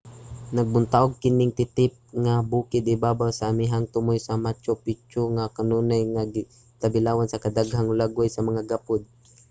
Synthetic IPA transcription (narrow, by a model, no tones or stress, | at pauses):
nɐɡ̚bʊnt̪aʔʊɡ̚kɪnɪŋt̪ɪt̪ɪp̚ŋabuːkɪd̪ɪbaːbawsaʔːmɪɦaŋt̪ʊmojsɐmat͡ʃopɪt͡ʃʊŋakɐnuːnajŋaɡɪ | t̪abɪlaːwansɐkɐd̪aɡɦaŋlaɡʊjsɐmɐŋaɡapʊd̪̚